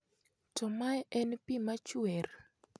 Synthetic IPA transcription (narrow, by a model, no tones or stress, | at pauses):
tɔmajʔɛnpimat͡ʃwɛr